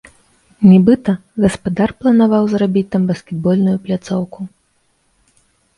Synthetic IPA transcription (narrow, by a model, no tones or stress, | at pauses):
nʲɛbɨt̪ɐɣɐspad̪arplˠɐnavawzrabʲit͡sʲt̪ambɐskʲɛd̪̚bɔlʲnujuplʲat̪sɔwku